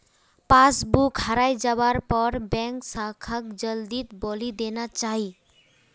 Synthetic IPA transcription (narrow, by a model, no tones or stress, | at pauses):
pasbukɦaɾajd͡ʒabaɾpɔɾbɛŋksakʰak̚d͡ʒəld̪it̪bɔlid̪enat͡ʃaɦi